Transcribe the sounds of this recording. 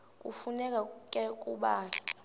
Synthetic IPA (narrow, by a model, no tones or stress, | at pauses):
k̬ʼṵfunɛk̬ʼakʼɛk̬ʼuɓaːla